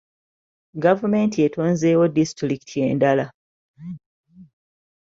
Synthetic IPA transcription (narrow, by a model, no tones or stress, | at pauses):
ɡavume̞ːntie̞to̞ːnze̞ːwo̞distɾiki̥tʰie̞̰ːndala